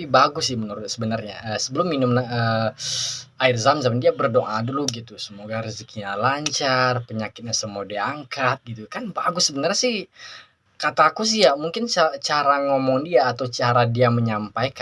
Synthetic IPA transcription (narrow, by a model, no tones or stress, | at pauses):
apibaɡʊsɪhmənuɾʊt̪̚səbənarɲa̰əsəbəlʊmːinʊmnaəː | aɪrzamzamandiabərdɔŋaduluɡit̪usəmoɡaɾəsikiɲalaɲt͡ʃarpəɲakɪt̪̚ɲasəmɔdɛaŋkat̪̚ɡit̪ukanbaɡʊsːəbənarɲasɪh | kat̪aːkus̬ijamuŋkɪnt͡ʃat͡ʃaɾaŋɔmɔŋdiaːt̪awt͡ʃaɾadiaməɲampajka